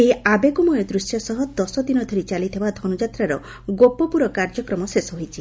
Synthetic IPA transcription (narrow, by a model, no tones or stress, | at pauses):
eabekumɔjɔd̪ɾusjɔsɔɦɔd̪ɔsɔd̪inɔd̪ʱoɾit͡ʃalit̪ʰibad̪ʱɔnud͡ʒat̪ɾaɾɔ | ɡopɔpuɾɔkaɾd͡ʒɔkɾɔmɔsesɔɦojt͡ʃʰi